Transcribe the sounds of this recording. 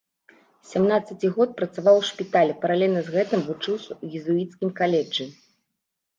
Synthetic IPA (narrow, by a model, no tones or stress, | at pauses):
sʲamnat̪sɐt͡sʲiɣɔt̪̚pɾɐt̪savawʂpʲit̪alʲɛpɐɾalʲɛlʲnɐzɣɛt̪ɨmvut͡ʂɨwsʲɐujizuit̪skʲimkalʲɛd͡ʐɨ